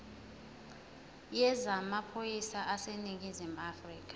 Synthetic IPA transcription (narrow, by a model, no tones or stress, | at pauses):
jɛzamapʰojisaʔasenik̬ʼizim̩afriːk̬ʰʼḁ